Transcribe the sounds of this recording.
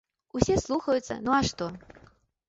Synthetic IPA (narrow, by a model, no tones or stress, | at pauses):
usʲɛslˠuxɐjut̪sːɐ̰nuɐʂt̪ɔ